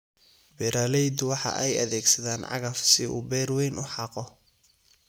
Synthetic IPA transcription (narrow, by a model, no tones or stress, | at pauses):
bɛɾaːlɛjd̪wɑħɑ̰ʔɛjɐ̰ðɛːɡsɐðaːnʕɑ̰ɣɐfsɪʔṵːbɛːrwɛjnʊħɑːqɔ